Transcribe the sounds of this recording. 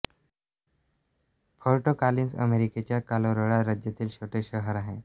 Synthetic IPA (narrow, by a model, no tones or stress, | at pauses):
foɾʈokaliːnsə̰meɾiket͡ɕjakaloɾoɭaɾad͡ʑjat̪iːlɕoʈeɕəɦəɾaɦe